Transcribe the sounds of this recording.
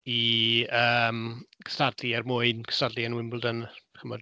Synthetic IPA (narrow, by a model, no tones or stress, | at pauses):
iəːmkʰə̥stadliɛrmʊɨnkʰə̥stadlianwɪmblˠdənχəmɔd